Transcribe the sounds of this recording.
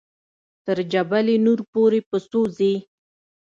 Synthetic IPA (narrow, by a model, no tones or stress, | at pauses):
t̪əɾd͡ʒabalenuɾpoɾepəst̪oze